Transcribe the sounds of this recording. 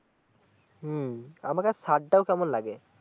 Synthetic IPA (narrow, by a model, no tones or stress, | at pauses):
amakasaʈ̚ːawkamɔnlaɡɛ